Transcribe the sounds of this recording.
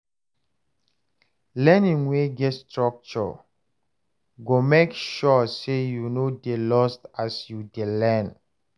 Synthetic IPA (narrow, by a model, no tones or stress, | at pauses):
lɛnĩŋweɡɛtstɹɔk̚t͡ʃɔ̰ | ɡomekʃɔsejunodelɔstasjudelɛ̃n